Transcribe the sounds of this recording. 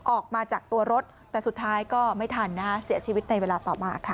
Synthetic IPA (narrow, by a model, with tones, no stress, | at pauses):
ʔɔː˨˩k̚maː˧t͡ɕaː˨˩k̚t̪u˧ɐɾo˦˥t̪̚ːɛː˨˩su˨˩t̪ʰːaː˦˥jkɔː˥˩ma˥˩jt̪ʰaː˧nːaː˦˥si˨˩˦ɐt͡ɕʰiː˧wi˦˥t̪̚na˧jweː˧laː˧t̪ɔː˨˩maː˧kʰa˦˥˩